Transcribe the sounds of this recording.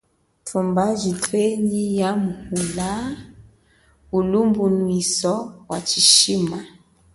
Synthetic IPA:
tʰumbaʒitʰweɲijamuhula | ulumbunwisɔwat͡ʃiʃima

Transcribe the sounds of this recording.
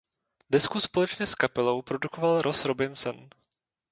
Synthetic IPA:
dɛskuspolɛt͡ʃɲɛskapɛlo̞wpɾo̞dukovalɾʔosɾobɪnsɛn

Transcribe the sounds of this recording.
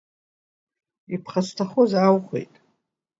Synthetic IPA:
ipʰχasʷtʰaχozawχʷḛjtʼ

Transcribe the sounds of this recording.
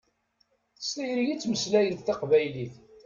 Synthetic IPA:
θə̥st̪æjɾijit͡sːməslæjəθθɑqvæjliθ

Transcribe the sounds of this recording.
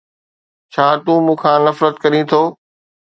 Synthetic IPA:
t͡ɕʰaːt̪ũːmũːkʰãːnɐfɾət̪kɐɾĩt̪ʰoː

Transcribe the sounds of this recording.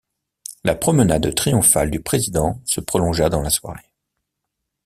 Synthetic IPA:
lapχɔmənad̪t̪χijɔ̃fald̪ypχezid̪ɑ̃səpχɔlɔ̃ʒad̪ɑ̃laswa̰ʁe

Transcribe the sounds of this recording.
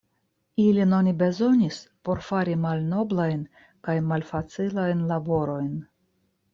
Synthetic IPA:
ilino̞nibe̞zo̞nispo̞ɾfaɾimalno̞blajn | kajmalfat͡silajnlabo̞ɾo̞jn

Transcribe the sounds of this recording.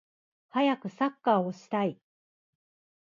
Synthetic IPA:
hajakɯ̟sakːaːo̞ɕi̥t̪ai

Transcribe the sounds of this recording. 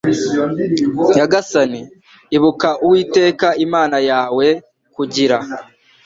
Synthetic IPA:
jaɡasaniː | βukaʔuwiːte̞ːkaimaːnajaːwe̞ | kuɟiɾa

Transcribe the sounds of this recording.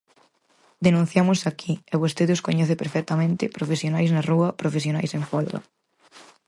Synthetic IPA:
d̪enũn̟θjamʊsakʰieβost̪eðɪoskoɲɛθɪpeɾfɛk̚t̪ɐmẽnt̪ɪpɾofesjonajznaruɐpɾofes̬jonajseɱfɔld̪ɐ̰

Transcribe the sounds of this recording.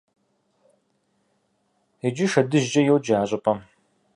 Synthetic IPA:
ɛd͡ʒɪʃɐdɨʒd͡ʒɐjɛwd͡ʒaːɕʼɐpʰʼɐm

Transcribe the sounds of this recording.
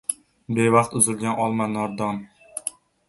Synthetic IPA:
bevɑqt̪ʊzɪlɡʲanʔɒlˠmanːɒɾd̪ɒn

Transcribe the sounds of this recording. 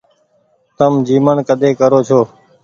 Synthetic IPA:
t̪əmd͡ʒiːməɳkəd̪ʱeːkəɾoːt͡ʃʰoː

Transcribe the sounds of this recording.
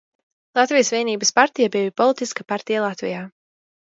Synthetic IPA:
lˠat̪vijəsvʲiɛniːbəspaɾt̪ijabivipɔlˠit̪iskapaɾt̪ijalˠat̪vḭjaː

